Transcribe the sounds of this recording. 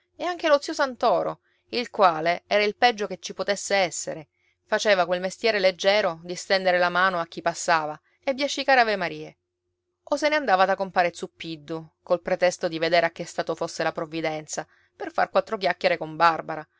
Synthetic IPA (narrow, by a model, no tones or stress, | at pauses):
eaŋk̟elot̪siosant̪ɔːɾo | ilkwaːleɛːɾailpɛd͡ʒːoket͡ʃːipot̪esːeɛsːḛɾe | fat͡ʃeːvakwelmest̪jɛːɾeled͡ʒːɛːɾod̪ist̪ɛnd̪eɾelamaːnoak̟ːipːasːaːva | ebjat͡ʃːikaːɾeavemaɾiːe | oseneand̪aːvad̪akːompaːɾet̪supːid̪ːokolpɾet̪ɛst̪od̪ived̪eːɾeakːest̪aːt̪ofosːelapɾovːid̪ɛnt̪sa | perfa̰rkwat̪ːɾok̬jakːeɾekombarbaɾa